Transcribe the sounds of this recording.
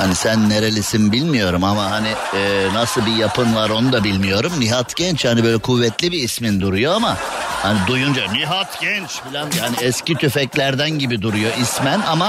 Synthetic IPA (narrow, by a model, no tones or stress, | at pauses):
hanisænːeɾelʲisinbilʲmijo̞ɾumamaɦani | ɛnasɯlˠbijapʰɯnvaɾo̞nud̪abilʲmijo̞ɾumniɦat̪ɟɛnt͡ʃhanibø̞jlʲɛkʰuvːɛt̪lʲibiːsmind̪uɾujo̞amahanid̪ujund͡ʒaniɦat̪ɟ̥ɛnt͡ʃfilʲanjaːniɛscit̪ʰyfɛclʲæɾd̪ænɟibid̪uɾujo̞ʔismænama